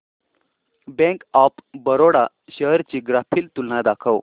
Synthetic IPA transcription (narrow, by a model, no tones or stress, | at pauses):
bɛ̃ŋkapbəɾoɽa | ɕəɦɾt͡ɕiːɡɾapʰiːlt̪ulːad̪akʰəw